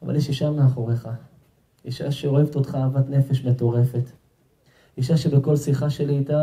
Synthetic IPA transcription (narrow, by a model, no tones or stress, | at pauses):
ava̰ljeʃiʃameaχo̞ʁeχa | iʃaʃeo̞e̞veto̞t̪χaːvatne̞feʃme̞to̞ʁe̞fe̞t | iʃaʃe̞beko̞lsiχaʃe̞liita